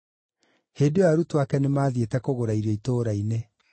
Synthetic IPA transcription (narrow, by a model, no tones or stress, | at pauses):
heːdeaɾutwakɛnemaːðietɛkoɣoɾaiɾaitoːɾaine